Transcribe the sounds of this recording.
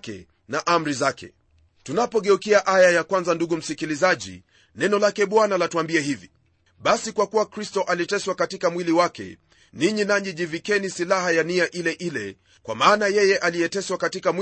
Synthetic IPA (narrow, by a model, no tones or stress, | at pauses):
kɛ̰ | naʔam̩ɾizakɛ̰ | tunapɔɠɛukiaʔajajakwanzanduɠum̩sikilizaʄḭ | nɛnɔlakɛɓwanalatuambiɛɦivi | ɓasikwakuwakɾistɔʔalitɛswakatikamwiliwakɛ̰ | niɲinaɲɛʄivikɛnisilaɦajaniaʔilɛʔilɛ | kwa̰maːnajɛjɛʔalijɛtɛswakatikamw